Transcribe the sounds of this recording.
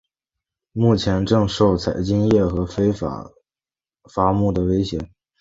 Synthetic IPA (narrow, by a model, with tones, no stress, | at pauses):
mu˥˩t͡ɕʰjɛ˧˥nʈ͡ʂɤ˥˧ŋʂo˥˩ʊt͡sʰa˨˩ɪt͡ɕi˥ŋjɛ˥˩xɤ˧˥fe˥ɪ̰˧˥ | fa˧˥mu˥˩d̪ə˩we˥ɪɕjɛ˧˥